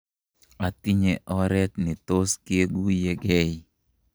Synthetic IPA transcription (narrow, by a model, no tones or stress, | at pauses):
at̪iɲɛʔɔɾɛt̪̚nɪt̪oskeɡujeɡɛj